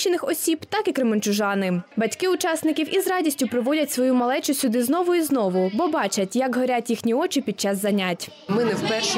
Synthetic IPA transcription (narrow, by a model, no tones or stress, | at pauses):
ɪnɪxɔsʲibt̪ɑkikɾemenʲt͡ʃʊʒɑnɪbɐtʲkɪʊt͡ʃɑsnɪkʲiwʔizrɑdʲisʲtʲʊpɾɔʋɔdʲɐtʲsʋɔjumɐlˠɛt͡ʃʊsʲʊd̪ɪzn̪ɔʋʊiznɔʋʊbɔbɑt͡ʃɐtʲjɐkɦɔɾʲatʲjixnʲiɔt͡ʃipʲid̪̚t͡ʃɑzːɐnʲatʲ | mɪnɛwpɛʃ